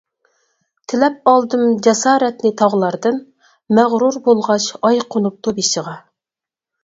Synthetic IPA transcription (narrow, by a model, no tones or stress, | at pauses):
t̪ʰɪlɛp̚ɑlˠd̪ɨmd͡ʒɛsɑːɾɛt̪nɪt̪ʰɑʁlˠɑɾd̪ɨn | mɛʁɾuɾbolˠʁɑʃɑjqʰonup̚t̪ʰobiʃəʁɑ